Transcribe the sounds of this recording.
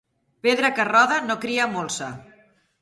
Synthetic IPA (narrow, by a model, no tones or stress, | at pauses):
peðɾəkərɔðənokɾiamolˠsə